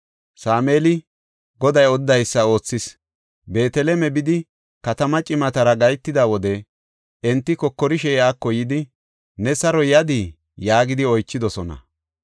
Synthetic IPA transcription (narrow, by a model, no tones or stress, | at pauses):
saːmeːlɪ | ɡɔd̪ɐjɔd̪ːɐjsːɐo̞ːt͡sːɪs | be̞ːt̪ɛlɛmɛbɪd̪ɪ | kɐt̪ɐmɐt͡ʃʼɪmɐt̪ɐɾɐɡɐjt̪ːɪd̪awɔd̪ɛ | ɛnt̪ːɪkɔkːɔɾɪʃɛjaːkːɔjɪd̪ɪ | nɛsɐɾɔjɐd̪i | jaːɡɪd̪ɪɔjt͡ʃːɪd̪ɔsɔnɐ̰